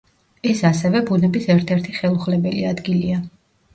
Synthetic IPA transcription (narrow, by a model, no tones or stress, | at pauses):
ɛsasɛvɛbunɛbisɛɾt̪ʰɛɾt̪ʰiχɛlˠuχlɛbɛliad̪ɡilia